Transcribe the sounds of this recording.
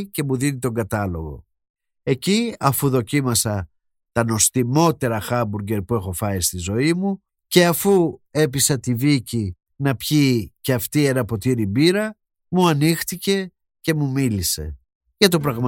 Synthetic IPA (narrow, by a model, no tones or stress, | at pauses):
ce̞muðinit̪o̞ŋɡɐt̪ɐlo̞ɣo̞̰ | e̞ciɐfuðo̞cimɐsɐ | t̪ɐno̞st̪imo̞t̪e̞ɾɐxɐbuɾɟe̞ɾpue̞xo̞fɐist̪izo̞imu | ce̞ɐfue̞pisɐt̪ivici | nɐpçiceɐft̪ie̞nɐpo̞t̪iɾibiɾɐ | muɐnixt̪ice̞ | ce̞mumilise̞̰ | ʝɐt̪o̞p̬ɾɐɣm